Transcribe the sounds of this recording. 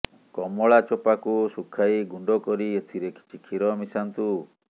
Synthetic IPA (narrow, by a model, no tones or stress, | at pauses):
kɔmɔɭat͡ʃɔpakusukʰajɡuɳɖɔkɔɾiet̪ʰiɾekʰi̥t͡ʃʰikʰiɾɔmisant̪u